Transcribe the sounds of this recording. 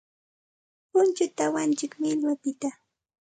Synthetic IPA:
pʊnt͡ʃʊt̪awant͡ʃɪkmɪʎwapɪt̪a

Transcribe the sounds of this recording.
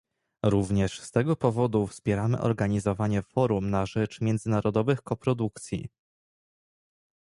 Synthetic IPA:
ɾuvɲɛʂst̪ɛɡɔpɔvɔd̪ufspʲjɛɾamɘ̰ʔɔ̰ɾɡaɲizɔvaɲɛfɔɾumnaʐɛt͡ʂmʲjɛnd̪zɘnaɾɔd̪ɔvɘxkɔpɾɔd̪uk̚t̪sʲjḭ

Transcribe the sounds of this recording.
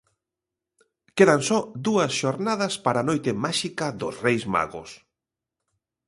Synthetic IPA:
keðansɔd̪uɐsʃoɾnað̞ɐspaɾanojt̪ɪmaʃikɐðʊsrejzma̰ɣʊ̰s

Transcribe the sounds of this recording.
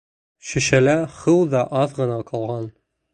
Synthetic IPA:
ɕɘ̆ʃælæχɤwd̪ɑʔɑðʁɤ̆nɑqʰɑlˠʁɑn

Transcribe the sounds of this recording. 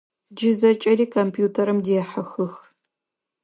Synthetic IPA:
d͡ʒɪzɐt͡ʃʼɐɾiːkʰompʰjuːtʰɐɾɨmdiɛħɐxɨx

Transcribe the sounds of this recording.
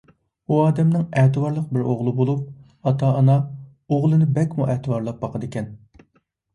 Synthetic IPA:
uɑːd̪ɛmnɪŋɛːt̪ɨwɑɾlˠəq̚bɪɾoʁlˠɨbolˠup̚ | ɑt̪ʰɑːnɑ | oʁlˠɨnɪbɛkʲmuʔɛːt̪ʰɨwɑɾlˠɑp̚bɑqʰəd̪ɪkʲʰɛn

